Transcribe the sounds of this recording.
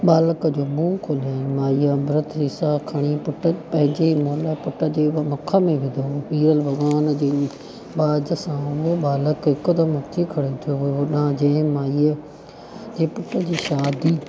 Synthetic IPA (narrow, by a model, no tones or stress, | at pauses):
ɓaːləkəd͡ʑoːmũːkʰolaːmaːiabɾət̪ʰɾɪsakʰɐɽ̃ipʊʈəpɐ̃ɦɪ̃ɲd͡ʑeimoːləpʊʈəd͡ʑeːʋmɐkʰəmẽʋɪ̃d̪ʱoːiːɾəlbɐɡaːnd͡ʑeː | baːd͡ʒəsãːʊɦoɓaːləkɦɪkəd̪ɐmɐt̪ʰikʰɐɽet̪ʰijoɗãd͡ʑɐ̃ːɪ̃maːiə | d͡ʑeːpʊʈəd͡ʑiːʃaːd̪iː